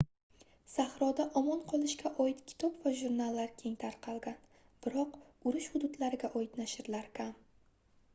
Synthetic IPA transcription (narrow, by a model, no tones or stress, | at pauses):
sahɾɒd̪aʔɒmɒnqʰɒlˠɪʃkʲʰaʔɒɪt̪kʲʰɪ̥t̪ʰɒpvaʒuɾnalˠːaɾkʲʰe̞ŋt̪ʰaɾqʰɑlˠɡʲan | b̥ɪɾɒqʊɾɪʃhʊd̪ʊd̪laɾɪɡʲaʔɒɪt̪naʃɪɾlaɾkʲʰam